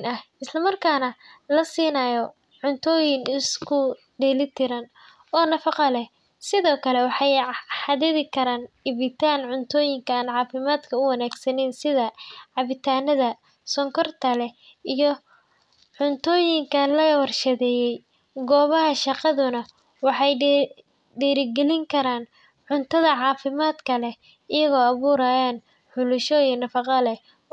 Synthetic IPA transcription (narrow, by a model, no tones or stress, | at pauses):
nɐhɪslɐmɐrkʰaːnɐlɐsiːnaːjɔ | ʕʊnt̪ʰɔːjɪnɪskʰʊ | ɖɛːlɪt̪ʰɪɾɐn | ɔːnɐfɑqɑlɛ | sɪðɔːkʰɐlɛwɑħɑjħɑðɛðɪkʰɐɾaːnɪβɪt̪ʰaːnʕʊnt̪ʰɔːjɪŋkʰɐaːnʕɑːfɪmaːd̪kʰɐʊwɐnaːɡsɐnɪnsɪðɐʕɑβɪt̪ʰaːnɐðɐ | sɔŋkʰɔrt̪ʰɐlɛ | ijɔ | ʕʊnt̪ʰɔːjɪŋkʰɐlɐɐwɐrʃɐðɛːjɛj | ɡɔːβɐɦɐʃɑqɑðʊnɐ | wɑħɑj | ɖiːɾɪɡɛlɪŋkʰɐɾaːn | ʕʊnt̪ʰɐðɐʕɑːfɪmaːd̪kʰɐlɛ | ɪjɐɣɔːɐβuːɾaːjaːn | ħʊlʊʃɔiːnɐfɑqɑlɛ